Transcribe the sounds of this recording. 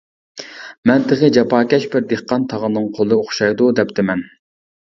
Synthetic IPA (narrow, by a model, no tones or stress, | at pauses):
mɛnt̪ʰɨʁɨd͡ʒɑpʰɑːkʲɛʃbɪɾd̪eχqɑnt̪ʰɑʁənːɨŋqʰolˠɨoχʃɑjd̪ud̪ɛpt̪ʰɪmɛn